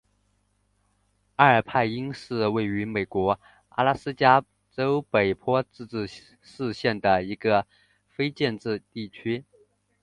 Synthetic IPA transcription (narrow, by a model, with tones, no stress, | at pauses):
a˥˩ə˞˨˩pʰa˥˩ɪi˥ŋʂɻ̩˥˧we˥˩ɪy˧˥me˨˩ɪkwɔ˧˥ | a̰˥˧la˥sɹ̩˥t͡ɕja˥ | ʈ͡ʂo˥ʊpe˨˩ɪpʰwɔ˥ʈ͡ʂɻ̩˥˧ʈ͡ʂɻ̩˥˧ | ʂɻ̩˥˧ɕjɛ˥˩nd̪ə˩i˧˥ɡə˧ | fe˥ɪt͡ɕjɛ˥˧nʈ͡ʂɻ̩˥˧t̪i˥˩t͡ɕʰy˥